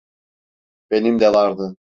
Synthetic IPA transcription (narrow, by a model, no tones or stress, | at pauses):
b̥enimd̪ɛlˠɑɾd̪ɯ